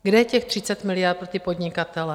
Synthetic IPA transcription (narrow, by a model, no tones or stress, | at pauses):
ɡdɛcɛxt̪rit͡sat̪milɪaɾt̪̚pɾot̪ipɔd̪ɲikat̪ɛlɛ